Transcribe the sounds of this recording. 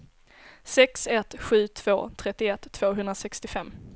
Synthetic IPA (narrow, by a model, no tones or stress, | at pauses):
sɛksɛt̪ɧʉ̟ːt̪ʰv̥oːt̪ʰɾɛt̪ːɪɛt̪ʰːv̥oːɦɵnd̪ɾasɛkst̪ɪfɛmː